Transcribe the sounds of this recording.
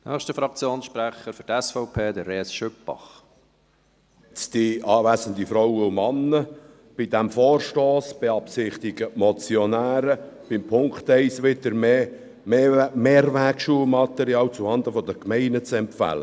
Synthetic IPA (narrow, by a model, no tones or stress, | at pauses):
nʔœːχʃtəfɾɑk̚t͡sjoːnsʃpɾæχəɾfyɾtɛsfɔʊpʰeːd̪əɾeːsʃʏpːɑ̰χ | t͡sd̥̪iɑːvæsənd̪ifɾowəʊmɑnːə | b̥id̪æmfɔːrʃtoːsb̥ɛɑpsɪχt̪ɪɡ̥əmɔt͡sjɔnæːɾəb̥ɪmpʰʊŋkt̪ɛɪsʋɪd̪əɾme | meːrvækʃuːəlmɑt̪ɛɾiɑːwt͡suhɑnd̪əfɔd̪əkmɛɪnət͡sɛmpfæ̰lə̰